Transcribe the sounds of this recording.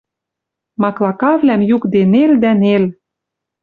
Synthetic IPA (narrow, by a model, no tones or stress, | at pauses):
mɑklˠɑkɑvlæmjukd̪eneld̪ænel